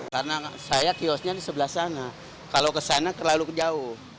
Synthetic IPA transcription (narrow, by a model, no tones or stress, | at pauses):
karnasajakiɔsɲadisəbəlahsana | kalokəsanakərlalukəd͡ʒaʊh